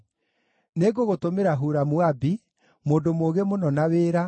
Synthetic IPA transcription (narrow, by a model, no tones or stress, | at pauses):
neɡoɣotomeɾaɦuɾamwabi | moːndomoːɣemonɔnaweːɾa